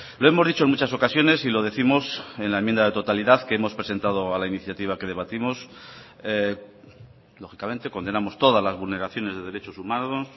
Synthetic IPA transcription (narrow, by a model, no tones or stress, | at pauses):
lo̞e̞mo̞zðit͡ʃoeŋmut͡ʃaso̞kasjo̞ne̞silo̞ðe̞θimo̞se̞nlaemjend̪aðe̞t̪o̞t̪aliðaθkeemo̞spɾese̞nt̪aðoalainiθjat̪iβ̞ake̞ð̞e̞β̞at̪imo̞s | e | lo̞xikamẽ̞nt̪e̞ko̞nd̪e̞namo̞st̪o̞ðazlazβulne̞ɾaθjo̞ne̞zðe̞ðe̞ɾet͡ʃosumanos